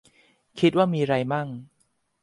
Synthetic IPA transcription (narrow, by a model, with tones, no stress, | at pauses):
kʰi˦t̪̚waː˥˩miː˧ɾa˧jma˥˩ŋ